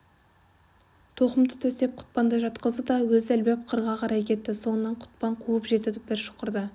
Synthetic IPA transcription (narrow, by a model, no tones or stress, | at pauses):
t̪ʰoqəmd̪ə̥t̪ʰɵse̞p̚qʰʊ̥t̪̚pɑnd̪əʒɑt̪qəzd̪əd̪ɑwɵzælbe̞p̚qʰəɾʁɑqʰɑɾɑjkʲʰe̞t̪ːɪso̞nənːɑɴqʰʊ̥t̪̚pɑɴqʰuwəpʒe̞t̪ɪd̪ep̚bɪɾʃo̥qəɾd̪ə